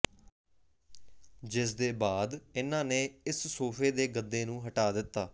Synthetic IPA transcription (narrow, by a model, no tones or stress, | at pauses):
d͡ʒɪs̬d̪eːbaːd̪ɪnãːneːɪssoːpʰeːd̪eːɡəd̪ːeːnũːɦəʈaːd̪ɪt̪ːaː